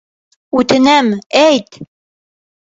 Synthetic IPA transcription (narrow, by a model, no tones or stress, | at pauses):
ʉt̪ɘ̆næmæjt̪